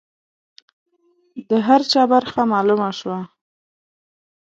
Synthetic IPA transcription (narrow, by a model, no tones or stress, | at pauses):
d̪əɦaɾt͡ʃɑbaɾxamɑlumaʃwa